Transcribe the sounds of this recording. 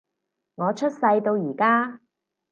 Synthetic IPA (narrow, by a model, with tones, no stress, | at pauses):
ŋɔː˨˧t͡ʃʰɵ˥t̚sɐ˧jt̪o˧wjiː˨˩kaː˥